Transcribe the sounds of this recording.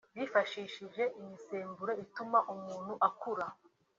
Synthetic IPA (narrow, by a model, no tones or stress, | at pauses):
βjiːfaʃiːʃiʒe̞ʔiɲiseːmbuɾe̞itumaʔumuːn̥huʔakuɾa